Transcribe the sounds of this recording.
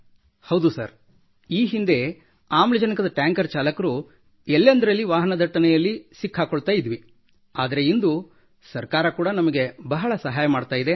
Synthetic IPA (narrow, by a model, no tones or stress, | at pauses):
hɐwd̪usɐ̰ɾ | iːɦind̪e̞ | aːmlɐd͡ʒɐnikɐd̪ɐʈjaːŋkɐɾt͡ʃaːlɐkɐɾu | ɛlːɐnd̪ɐɾɐlːiʋaːɦɐnɐd̪ʱɐʈːɐnɛjɐlːisikʰːaːkoɭt̪aːjid̪ʋi | aːd̪ɐɾe̞ind̪u | sɐɾkaːɾɐkuːɽɐnɐmɐɡe̞bɐɦɐɭɐsɐɦaːjɐmaːɖt̪aːjid̪e